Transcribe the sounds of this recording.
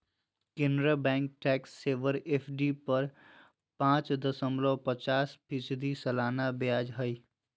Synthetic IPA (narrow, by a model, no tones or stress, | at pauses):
kẽnd̪ɾəbɛ̃ːŋk̚ʈɛːksːeːʋəɾeːpʰɖipɐɾ | pãːt͡ʃd̪əsəmlopət͡ʃaːspʰɪsd̪isəlaːnabjaːd͡ʒɦəi